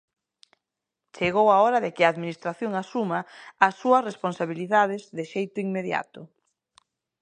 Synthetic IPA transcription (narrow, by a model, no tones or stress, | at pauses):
t͡ʃeɣowaɔɾɐðekɪaːðminist̪ɾaθjoŋasumaasːuɐsresponsaβiliðaðɪzðɪʃejt̪ʊiŋmeðja̰t̪ʊ